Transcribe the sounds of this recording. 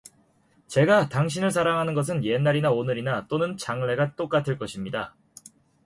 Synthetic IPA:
t͡ɕe̞ɡataŋɕ̬ʰinɯɭs̬ʰaɾaŋɦanɯnɡʌs̬ʰɯnje̞nːaɾinaonɯɾinat͈onɯnt͡ɕaŋɭe̞ɡat͈ok͈atʰɯɭk͈ʌɕʰimɲida

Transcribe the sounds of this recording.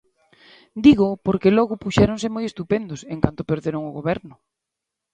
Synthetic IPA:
d̪iɣʊpoɾkelɔɣʊpuʃɛɾoŋsɪmojest̪upend̪ʊsẽŋkant̪ʊpeɾðeɾoŋʊɣoβɛɾnʊ

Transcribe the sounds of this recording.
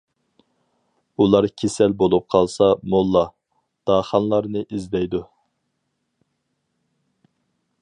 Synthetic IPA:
ulˠɑɾkʲʰesɛlbolˠup̚qʰɑlˠsɑmolˠːɑ | d̪̥ɑːχɑnlˠɑɾnɨʔizd̪ɛjd̪u

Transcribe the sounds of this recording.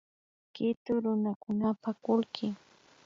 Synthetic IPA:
kɪt̪ʊɾʊnakʊnapakʊlkʰɪ

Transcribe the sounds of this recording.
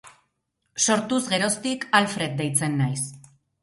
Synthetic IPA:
so̞ɾt̪uzɣe̞ɾo̞st̪ikalfɾe̞t̪̚d̪ejt͡se̞nːajs

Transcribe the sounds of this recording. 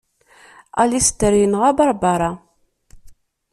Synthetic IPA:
ælist̪ːəɾijənʁæbɑɾˤbɑɾˤɑ

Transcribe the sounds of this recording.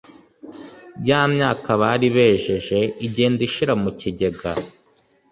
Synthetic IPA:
bɟaːmɲaːkaβaːɾiβeːʒe̞ʒe̞iɟeːndiʃiɾamuciɟe̞ɡa̰

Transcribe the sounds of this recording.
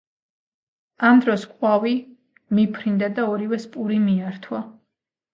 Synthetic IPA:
amd̪ɾɔskʼwavi | mipʰɾind̪ad̪aɔɾivɛspʼuɾimiaɾt̪ʰwa

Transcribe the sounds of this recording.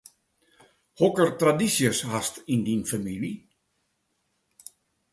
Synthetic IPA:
hokərtradisjəshastindinfamili

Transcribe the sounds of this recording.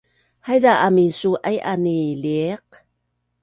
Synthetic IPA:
hajðaʔamisuʔajʔaniliq̚

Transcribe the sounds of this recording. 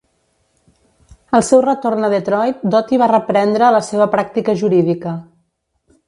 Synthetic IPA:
əlˠsɛwrət̪ornəðet̪ɾɔjt̪̚d̪ɔt̪iβ̞arəpɾɛnd̪ɾəːləseβ̞əpɾak̚t̪ikəʒuɾiðikə

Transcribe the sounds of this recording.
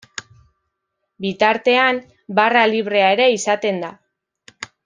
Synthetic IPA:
bit̪aɾt̪e̞am | baraliβ̞ɾe̞ae̞ɾe̞isat̪e̞nd̪a

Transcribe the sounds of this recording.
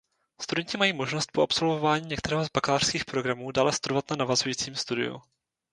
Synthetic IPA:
st̪udɛɲcɪmajiːmo̞ʒno̞st̪̚poʔapso̞lvo̞vaːɲiːɲɛkt̪ɛɾɛːɦozbaklaːr̥skiːxpɾo̞ɡɾamuːdaːlɛst̪uɾovat̪nanavazujiːt͡siːmst̪udɪ̰jṵ

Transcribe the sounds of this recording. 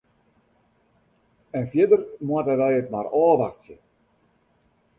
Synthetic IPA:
ɛnfjɪdərmuatəʋɛjətma̰rɔːʋaxtjə̰

